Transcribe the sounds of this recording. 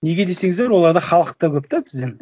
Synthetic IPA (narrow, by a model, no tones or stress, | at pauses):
ne̞ɡʲe̞d̪e̞se̞ŋɪzd̪eɾwo̞lˠɑɾd̪əχɑlˠəq̚t̪əkʰʲɵp̚t̪ɑkʲʰɪzd̪eɾ